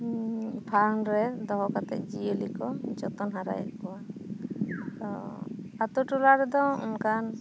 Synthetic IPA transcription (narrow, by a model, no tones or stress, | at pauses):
pʰaɾnɾɛd̪ɔɦɔkat̪ɛ̰ʔ̚d͡ʒijəlikɔd͡ʒɔt̪ɔnɦaɾa̰j̰ʔkɔwa | t̪ɔ̰at̪uʈulaɾɛd̪ɔṵnkan